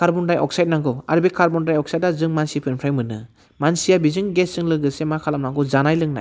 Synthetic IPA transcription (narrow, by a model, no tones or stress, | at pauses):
kaɾbɔndajʔɔk̚sajt̚naŋɡɔaɾbekʰaɾbɔndajɔk̚sajt̚azɯŋmansipʰɯnpʰɾajmɯnɯ̰ | mansijabizɯŋɡesɯŋlɯɡɯsemakʰalamnaŋɡɔzanajlɯŋna̰j